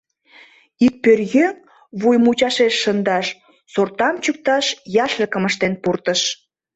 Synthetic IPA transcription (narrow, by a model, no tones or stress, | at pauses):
ik̚pørɣø | βujmut͡ɕɑʃeʃːənd̪ɑʃ | sort̪ɑmt͡ɕyk̚t̪ɑʃjɑʃləkəməʃt̪enpurt̪əʃ